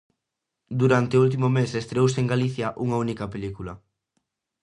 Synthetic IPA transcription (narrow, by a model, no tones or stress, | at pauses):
d̪uɾant̪eult̪̬imomesest̪ɾeowseeŋɡaliθjaʔuŋɐunikɐpelikulɐ